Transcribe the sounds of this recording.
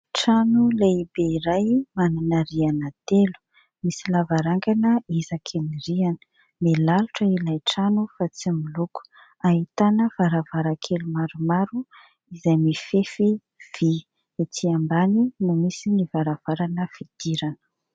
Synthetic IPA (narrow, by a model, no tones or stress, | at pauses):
ʈ͡ʂanulejbeiɾajmananəɾianat̪elu̥ | misilavaɾaŋɡanəizakʰeniɾianə̥ | melaluʈ͡ʂəilajʈ͡ʂanufat͡similuku̥ | aɦit̪anəv̥aɾavaɾakʰelumaɾumaɾu | izajmifefi | v̥i | et͡siambaninumisinivaɾav̥aɾanəfid̪̥iɾanə̥